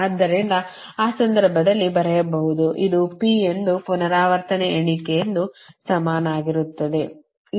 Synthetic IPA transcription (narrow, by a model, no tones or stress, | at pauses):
aːd̪ːɐɾind̪ɐ | aːsɐnd̪ɐɾbʱɐd̪ɐlːibɐɾɛjɐbɐɦud̪uʔid̪upiend̪upɔnɐɾaːʋɐɾt̪ʰɐneeɳikejend̪usɐmaːnaːɡiɾut̪ːɐd̪e̞